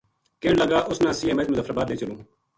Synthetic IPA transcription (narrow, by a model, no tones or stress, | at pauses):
keːɳləɡaːʔʊsnãːsiːẽːmẽːt̪mʊzəfʰɾəbaːd̪leːt͡ʃəlũː